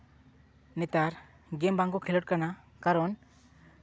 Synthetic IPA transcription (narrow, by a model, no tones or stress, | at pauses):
nɛt̪aɾ | ɡɛmbaŋkɔkʰilɔʈ̚kana | kaɾɔn